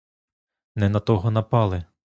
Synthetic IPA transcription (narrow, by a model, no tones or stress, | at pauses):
nɛnɐt̪ɔɦɔnɐpɑlˠɪ